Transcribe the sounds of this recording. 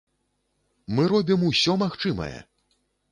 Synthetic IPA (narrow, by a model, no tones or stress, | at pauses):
mɨɾɔbʲimusʲɔmaxt͡ʂɨmɐ̰jɛ̰